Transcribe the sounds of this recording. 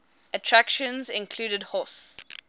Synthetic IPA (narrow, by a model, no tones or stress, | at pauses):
ətʰɹ̥akʃə̃nzɪ̃nkʰl̥uːɾədhɔs